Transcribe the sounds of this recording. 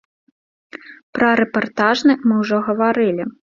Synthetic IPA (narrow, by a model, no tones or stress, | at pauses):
pɾɐɾɛpart̪aʐnɨmɨwʐɔɣɐvaɾɨlʲi